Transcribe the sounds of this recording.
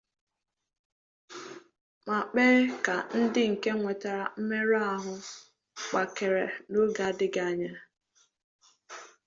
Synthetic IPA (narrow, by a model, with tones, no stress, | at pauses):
ma˨k͡pe˦ɾe˦ka˨n̩˦dɪ˦ŋ̩˨ke˦ŋʷe˨ta˨ɾa˨m̩˦me˦ɾa˦˨ɦʊ˦ | k͡pa˨ke˨ɾe˨no˦ɡa˨˦dɪ˦ɡa˨ɲa˦